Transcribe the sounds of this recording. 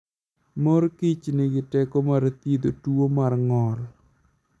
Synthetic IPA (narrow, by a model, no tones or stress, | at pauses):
mɔrkit͡ʃnɪɡɪtɛkomart̪id̪otuwomarŋɔl